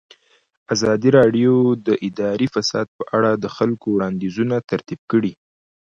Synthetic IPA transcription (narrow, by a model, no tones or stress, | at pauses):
azɑd̪iɾɑɖjod̪əʔɪd̪ɑɾifasɑ̰d̪̚pəʔaɽad̪əxalkowɽɑnd̪izunat̪aɾt̪ib̚kəɽi